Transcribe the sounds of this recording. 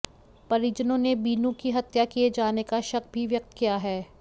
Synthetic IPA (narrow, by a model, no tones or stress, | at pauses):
pɐɾid͡ʒənõnebiːnũkiɦɐt̪jakied͡ʒaːnekaʃɐkbʱiʋjɐk̚t̪kijaɦɛː